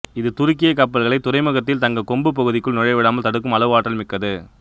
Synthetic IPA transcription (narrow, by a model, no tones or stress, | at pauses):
ɪðɯt̪ʊɾɪk̬ːɪjɐk̬ːɐpːɐlɣɐɭɐɪt̪ːʊɾɐɪmɯɣɐt̪ːɪlt̪ɐŋɡɐkɔmbɯp̬ːɐɣɯðɪkːɯɭnʊɻɐɪʋɛɽaːmɐlt̪ɐɽɯk̬ːɯmɐlɐʋɯaːʈːɐlmɪkːɐðɯ